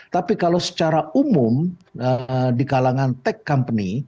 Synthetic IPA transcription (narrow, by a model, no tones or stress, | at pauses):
t̪apikalasə̥t͡ʃaɾaumʊmədikalaŋant̪ɛkːampəni